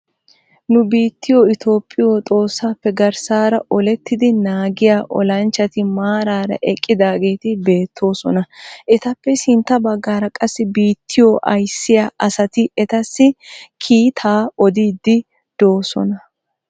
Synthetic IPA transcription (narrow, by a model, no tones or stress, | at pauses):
nʊbiːt̪ːɪjoɪt̪ʰo̞ːpʼːɪjoːt̪ʼo̞ːsːaːpːɛɡɐɾsaːɾɐɔlɛt̪ːɪd̪ɪnaːɡɪjaːʔɔlɐnt͡ʃːɐt̪ɪmaːɾaːɾɐ̰ʔɛkʼːɪd̪aːɡe̞ːt̪ɪbe̞ːt̪ʰːo̞ːsɔnɐʔɛt̪ɐpːɛsɪnt̪ːɐbɐɡːaːɾɐkʼɐsːɪbiːt̪ʰːɪjoʔɐjsːɪjaːʔɐsɐt̪ɪʔɛt̪ɐsːɪkʰiːt̪ʰaːɔd̪iːd̪ːɪ | d̪̥o̞ːsɔ̰nɐ